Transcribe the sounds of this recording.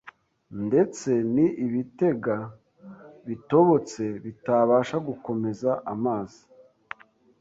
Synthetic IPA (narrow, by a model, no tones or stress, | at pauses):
nde̞t͡se̞niʔiβite̞ɡa | βito̞βo̞t͡se̞βitaβaːʃaɡuko̞me̞zaʔamaːzi̥